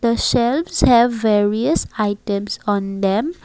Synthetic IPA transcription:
d̪̥əʃɛlʋshɛʋːeɾiəsaɪʈɛ̃msɔ̃nd̪ɛ̃m

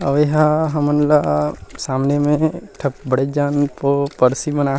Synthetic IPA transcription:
ɐʋeɦaɦɐmənlasaːmnemẽʈʰɐp̚bɐɽed͡ʒaːnpopɐɾsimənaː

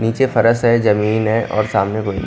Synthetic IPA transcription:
niːt͡ʃefɐɾəsɦɛzɐmiːnɦɛʔɔ̰ːɾsaːmnekoːin

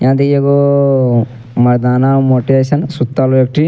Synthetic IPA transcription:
jaːd̪ikeɡo | mɐd̪aːnaːmoːʈiʋeːsɐnsut̪ːalʋek̚ʈi

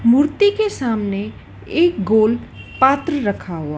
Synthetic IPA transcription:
muːɾt̪ikesaːmne | eːk̚ɡoːl | paːt̪ɾəɾəkʰaɦuaː

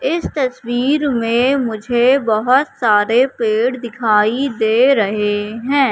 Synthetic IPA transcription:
ɪst̪ɐswiːɾmẽmʊd͡ʒʱebɐɦʊt̪saːɾepeːɽd̪ɪkʰaːid̪eːɾɐɦeɦɛ̃ː

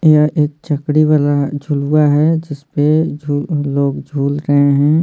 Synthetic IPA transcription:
jaʔeːk̚t͡ʃəkɽiʋaːlad͡ʒʱuluaɦɛd͡ʒɪspeuloːɡd͡ʒʱuːlɾəɦeɦɛ̃ː

